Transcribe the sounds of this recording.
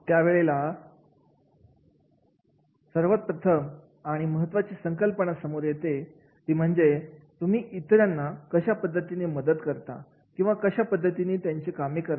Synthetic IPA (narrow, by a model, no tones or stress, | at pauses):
t̪jaʋeɭela | səɾʋət̪̚pɾət̪ʰəm | aɽ̃iməɦət̪ːʋat͡ɕesəŋkəlpəɳasəmoɾjet̪e | t̪iːm̤əɳd͡zet̪um̤iːʔit̪ɾjanːakəɕapəd̪ʱːət̪ineməd̪əd̪kəɾt̪a̰ | kĩw̃ʋakəɕapəd̪ʱːət̪iniːt̪jaɲt͡ɕikamikəɾ